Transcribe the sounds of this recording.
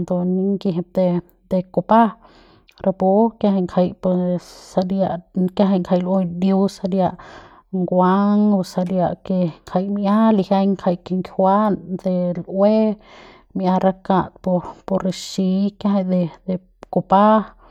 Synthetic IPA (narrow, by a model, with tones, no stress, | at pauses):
nd̪o˧ni˧ŋki˧ɦe˧p̚d̪e˧ | d̪e˧ko˧pa˦ | ɾa˧po˧kja˧ɦa˧jŋkʰa˧jpsa˧dja˧ʔka˦ɦa˧jŋkʰa˧jlʔwe˧d̪ju˧wsa˧dja˧ʔ | ŋɡwa˦ŋ˧sa˧dja˧ʔke˧ŋkʰa˧jmʔa˦li˧ha˧jŋkʰa˧jke˧ŋkʰʲwa˦nd̪e˧lwe˦ | mʔa˧ɾa˧ka˧t̪̚po˧po˧ɾe˧ʃi˧˦kja˦ɦa˧˨d̪e˧d̪e˧ | ko˧pa˦